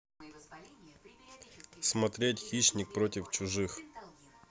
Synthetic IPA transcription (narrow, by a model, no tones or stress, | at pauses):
smɐt̪ɾʲetʲxʲiɕnʲɪk̚pɾotʲɪft͡ɕʊʐɨx